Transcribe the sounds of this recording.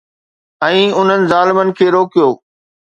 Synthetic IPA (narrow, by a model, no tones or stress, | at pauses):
ɛ̃ːʊn̤ənɪ̆zaːlɪmənɪ̆kʰeːɾoːkijoː